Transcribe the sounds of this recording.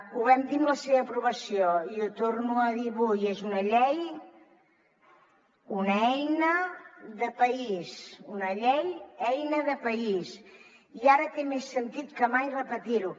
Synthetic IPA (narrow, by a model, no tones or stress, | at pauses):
uβɛmd̪imləseβəːpɾuβəsioiut̪ornuəðiβujezunəʎɛj | unəɛjnəðəpəisunəʎɛjɛjnəðəpəis | iaɾət̪emesːənt̪it̪kəmajrəpət̪iɾu